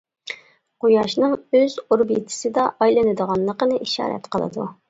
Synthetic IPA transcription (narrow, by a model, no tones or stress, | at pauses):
qojɑʃnɨŋøzuɾbit̪ʰɪ̥sɨd̪ɑʔɑjlˠɨnɨd̪əʁɑnlˠəqənɨʔiʃɑ̰ːɾɛ̰t̪qʰəlˠɨ̰d̪ṵ